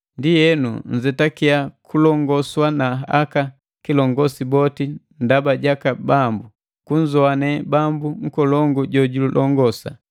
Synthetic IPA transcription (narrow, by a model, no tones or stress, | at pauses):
ndijɛnṵn̩d͡ʒɛtakiakʰulɔŋɡɔswanaaka | kilɔŋɡɔsibɔtindabaɟakabambu | kuɲzɔanɛbambuŋ̩kɔlɔŋɡuɟɔɟululʔɔŋɡɔsa̰